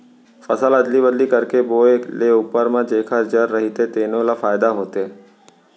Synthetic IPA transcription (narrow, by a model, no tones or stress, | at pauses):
fəsələd̪libəd̪likəɾkeboeleʊpəɾmãd͡ʒekʰəd͡ʒəɾːəɦit̪et̪enõlafaːjd̪aɦoːt̪e